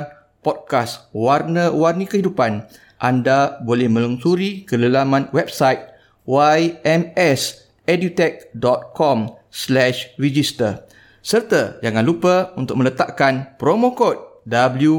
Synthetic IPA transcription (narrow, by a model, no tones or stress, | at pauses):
pɔd̚kaswarnəwarnəkəɦidupan | ʔandabolɛhmə̃luŋsuɾikələlamãnwɛb̚sajt̪̚ | wajɛmɛs | ɛdut̪ɛk̚dɔt̪̚kɔmslɛʃrid͡ʒist̪ər | sərt̪əd͡ʒaŋãnlupəunt̪ʊ̰k̚mə̃lət̪aʔkanpɾomõkɔt̪̚dabəlju